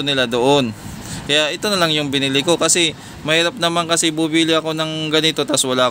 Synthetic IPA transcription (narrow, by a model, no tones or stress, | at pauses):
onɪlad̪o̞ʔo̞n | kɐjaʔɛt̪o̞nɐlaŋjʊŋbɪnɪlɪko̞kɐsɛ | mɐhiːɾɐp̚nɐmankɐsɛbubiːlɪʔɐko̞nɐŋɡɐnɪt̪o̞t̪aswɐlaːʔ